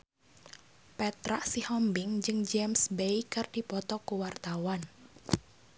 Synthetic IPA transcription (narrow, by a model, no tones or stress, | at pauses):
pɛt̪ɾa̰ʔsihɔmbɪŋd͡ʒɨŋd͡ʒɛmsbejkɨrd̥ipɔt̪ɔkuwart̪awan